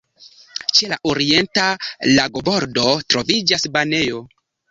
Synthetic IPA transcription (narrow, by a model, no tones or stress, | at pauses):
t͡ʃe̞laʔoɾie̞ntalaɡo̞bo̞ɾdo̞tɾo̞vid͡ʒasbane̞jo̞